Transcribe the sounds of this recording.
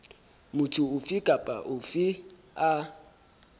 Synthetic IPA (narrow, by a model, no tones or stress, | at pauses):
mʊtʰʊʊfɪkʼapʼa̰ʔʊfɪ | a